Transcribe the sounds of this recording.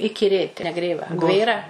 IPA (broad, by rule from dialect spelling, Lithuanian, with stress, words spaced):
ɪkʲɪˈrʲeːt nʲɛˈɡrʲeːʋɐ ˈɡʋʲeːrɐ